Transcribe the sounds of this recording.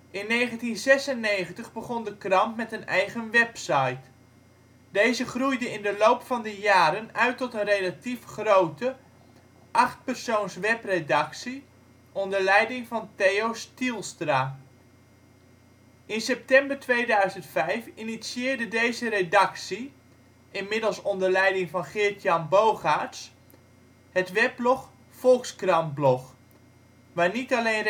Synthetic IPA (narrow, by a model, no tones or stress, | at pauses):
ɪnːejχəntinzɛsənːejχəntəχbəχɔndəkrɑmtmɛtənɛjχənʋɛpsɑjt | dejzəχrujdəɪndəlowpfɑndəjaːɾənœɥtɔtənrejlatifχrowtə | ʔɑχt̚pərsownsʋɛpredɑksi | ʔɔndəɹlɛjdɪŋvɑnteːowstilˠstraː | ɪnsɛp̚tɛmbərtʋeːdœɥzəntfɛjfinisiɪːɹdədejzəɾedɑksi | ɪnmɪdəlˠsɔndəɹlɛjdɪŋvɑnχɪɹtjɑnbowχaɹts | hətʋɛp̚lɔχ | fɔlˠkskrɑmblɔx | ʋaːnitaleːn